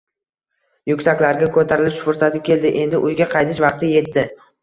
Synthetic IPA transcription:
jʊkʲsakʲlaɾɡʲakʰɵt̪ʰaɾɪlɪʃfʊɾsat̪ʰɪkʲe̞ld̪ɪʔe̞nd̪ɪʔʊjɡʲaqʰɑjt̪ʰɪʃvɑqt̪ɪje̞t̪ːɪ

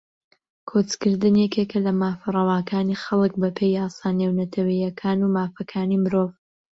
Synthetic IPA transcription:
kʰot͡skɨɾd̪ɨnjɛkekɐlɐmaːfɐrˤɑwaːkʰaːnixɐlˠɨk̚bɐpʰejaːsaːnewnɐt̪ʰɐwɐjɐkʰaːnumaːfɐkʰaːnimɨɾoːv

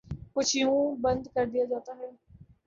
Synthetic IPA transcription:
kʊt͡ʃʰiũːbənd̪kəɾd̪ɪjaːd͡ʒaːt̪aːɦɛː

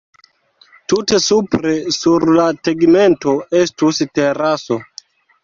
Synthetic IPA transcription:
tute̞supɾe̞suɾlateɡme̞nto̞e̞stuste̞ɾaso̞

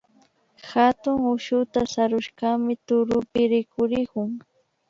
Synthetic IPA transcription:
xat̪ʊŋʊʃʊt̪asaɾʊʃkamɪt̪ʊɾʊpɪɾɪkʊɾɪkʊŋ

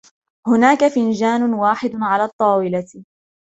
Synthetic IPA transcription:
hʊnaːkafɪnd͡ʒaːnʊwaːħɪd̪ʊʕalaːt̪ˤːɑːwɪla

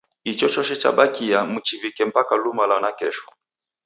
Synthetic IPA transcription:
it͡ʃɔt͡ʃɔʃɛt͡ʃa̰ɓakiamut͡ʃivikɛm̩pakalumalanakɛʃɔ̥

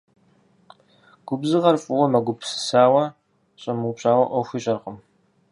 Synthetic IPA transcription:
ɡ̥ʷʊbzɨʁɐrfʼʊwɔmɐɡʷʊpʰsɨ̥saːwɐ | ɕʼɐmupɕʼaːwɐʔʷɔxʷiːɕʼɐrqəm

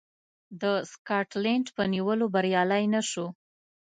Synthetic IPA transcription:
d̪əskɑʈleɳʈpəniwəlobaɾjɑlajnaʃo

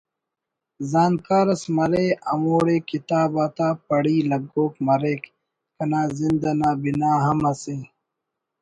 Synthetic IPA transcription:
zaːnkaːɾɐsmɐɾeːɐmoːɽeːkit̪aːbaːt̪aːpɐɽiːlɐɡoːkmɐɾeːk | kɐnaːzind̪ɐnaːbinaːɦɐmɐse

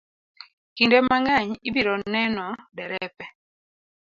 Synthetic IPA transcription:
kindɛmaŋaɲibiɾɔnɛnɔdɛɾɛpɛ

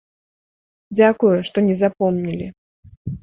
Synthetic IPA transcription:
d͡zʲakujuʂt̪ɔnʲɛzapɔmnʲilʲi

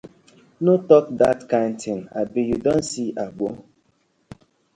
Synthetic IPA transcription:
notɔkdatkãɪntʰɪ̃na̰bijudonsiʔaɡ͡bo

